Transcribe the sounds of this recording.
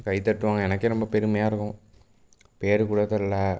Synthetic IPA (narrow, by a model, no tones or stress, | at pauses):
kɐɪt̪ɐʈːɯʋaːŋɡɐɛnɐkːeɾɔmbɐpɛɾɯmɐjaːɪɾɯkːʊ̃ | peːɾɯkuɽɐt̪ːɐlːa